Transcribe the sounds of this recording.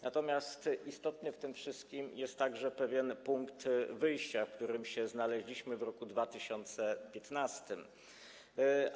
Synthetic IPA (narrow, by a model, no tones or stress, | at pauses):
nat̪ɔmʲjast̪ʔist̪ɔt̪nɘft̪ɘmfʂɘst̪kʲimjɛst̪ːaɡʐɛpɛvʲjɛnpuŋkt̪vɘjɕt͡ɕafkt̪uɾɘmɕɛznalɛʑlʲiɕmɘvɾɔkud̪vat̪ɘɕɔnt̪sɛpʲjɛt̪nast̪ɘm